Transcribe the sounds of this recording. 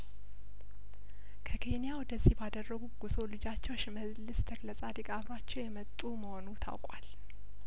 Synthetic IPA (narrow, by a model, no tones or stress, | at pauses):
kʰəkʰe̞nijawɔd̪əzːihbad̪ərːəɡuɡ̥uzolɨd͡ʒat͡ʃːɛwʃɪməzlɨst̪ʰəkləsʼad̪ikʼaβɾat͡ʃːɛwjɛmət̪ʼːuməho̞nut̪ʰa̰wkʼal